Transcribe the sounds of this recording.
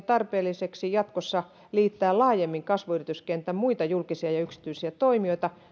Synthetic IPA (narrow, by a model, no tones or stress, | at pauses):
t̪ɑrpeːlːiseksijɑt̪kosːɑ | liːt̪ːæːllɑːjemːiŋkɑsʋuyrit̪yskent̪ːæmmuit̪ɑjulkisiɑjɑyksi̥t̪yisiæt̪oimioit̪ɑ